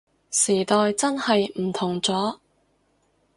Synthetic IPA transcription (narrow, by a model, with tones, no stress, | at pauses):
siː˨˩t̪ɔː˨jt͡sɐ˥nhɐ˨jm̩˨˩t̪ʰʊ˨˩ŋt͡sɔː˨˥